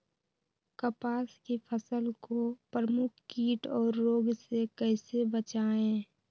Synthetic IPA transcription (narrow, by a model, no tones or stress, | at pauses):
kəpaːskipʰəsəlkopɾəmʊkʰkiːʈɔːɾːoːɡsekɛɪsebət͡ʃaːẽː